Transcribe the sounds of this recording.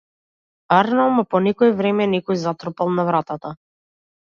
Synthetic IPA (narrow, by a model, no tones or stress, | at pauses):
aɾnaɔmapɔnɛkɔɛvɾɛmɛnɛkɔjzat̪ɾɔpalˠnavɾat̪at̪a